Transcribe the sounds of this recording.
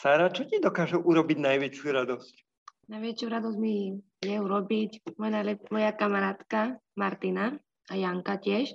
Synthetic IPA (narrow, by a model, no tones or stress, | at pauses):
saɾat͡ʃɔcid̪ɔkaːʒɛʔuɾɔbiɟnajʋɛt͡ʃjuɾad̪ɔsc | najʋɛt͡ʃjuɾad̪ɔzmi | jɛuɾɔbicmɔjnajlɛmɔjakamaɾaːt̪kamaɾt̪ina | ajaŋkacɪɛʃ